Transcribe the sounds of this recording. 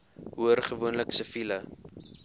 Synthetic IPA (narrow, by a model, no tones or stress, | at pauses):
ɦuərχəvuənləksəfilə